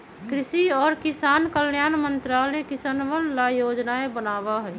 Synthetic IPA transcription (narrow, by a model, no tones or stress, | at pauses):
kkɾɪsiɔːɾkɪsaːnkəljaːnmə̃nt̪ɾaːlɛkɪsənʋənlajoːd͡ʒnaebənaːʋaɦɛː